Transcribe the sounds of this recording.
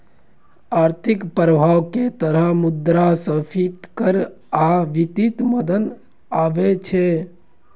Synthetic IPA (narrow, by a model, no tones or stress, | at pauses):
aːɾt̪ʰɪkpɾəbʱaːʋket̪əɾəɦmʊd̪ɾasəpʰit̪kəɾ | aʋit̪it̪məd̪ən | aːʋet͡ʃʰe